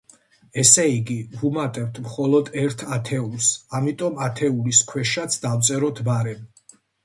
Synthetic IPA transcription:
ɛsɛiɡivumat̪ʼɛvt̪ʰmχɔlˠɔd̪ɛɾt̪ʰat̪ʰɛulˠsamit̪ʼɔmat̪ʰɛuliskʰwɛʃat̪sʰd̪avt̪sʼɛɾɔt̪ʰbaɾɛm

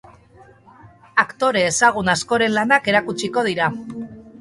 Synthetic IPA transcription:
akt̪o̞ɾe̞ːsaɣ̞unasko̞ɾe̞nlanake̞ɾakut͡ʃiko̞ð̞iɾa

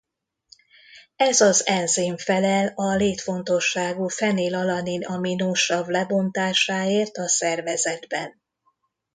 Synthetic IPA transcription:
ɛzɒzɛnziɱfɛlɛlɒleːt̪fo̞nt̪o̞ʃːaːɡuːfɛneːlɒlɒninɒminuʃɒblɛbo̞nt̪aːʃaːeːrt̪ɒsɛrvɛzɛd̪bɛn

